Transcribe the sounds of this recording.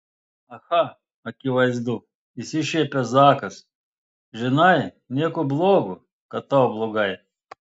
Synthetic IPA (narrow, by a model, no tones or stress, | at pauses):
ɐxa | ɐkʲiʋɐjzd̪u | isʲiʃepʲɐzakɐs | ʒɨnaj | nʲekʊblˠoɡʊ | kɐt̪oblˠʊɡaj